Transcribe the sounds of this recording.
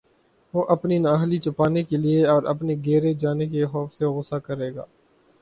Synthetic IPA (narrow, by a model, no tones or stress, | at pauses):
ʋoːʔɐpninaːɦlit͡ʃʊpaːnekelieɔːɾɐ̰pneɡɛːɾed͡ʒaːnekeɦɔːfseɣʊsakɐɾeːɡa̰ː